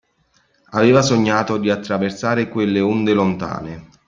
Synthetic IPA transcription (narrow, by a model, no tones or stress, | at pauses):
aveːvasoɲːaːt̪od̪iat̪ːɾaversaːɾekwelːeund̪elont̪a̰ːne